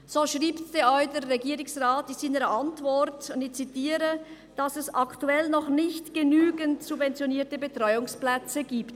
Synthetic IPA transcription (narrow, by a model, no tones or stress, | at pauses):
z̥oːʃʁiːptd̥eɔʏdeːɛɡiːɾɪŋsʁaːt̚d̥isiːnəɾəʔantvɔɾtʊndɪçt͡sitiːɾə | d̥asɛsaktuɛlnɔχnɪçtɡ̥ənyːɡəntsubvɛnt͡sjoniːɐtəbətrɔʏʊŋsplɛt͡səɡiːpt